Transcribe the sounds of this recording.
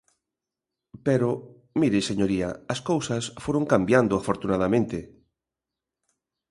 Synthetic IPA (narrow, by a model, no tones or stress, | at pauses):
peɾo | miɾeseɲoɾiaɐskowsɐsfoɾoŋkambjand̪ʊafoɾt̪unað̞amẽnt̪e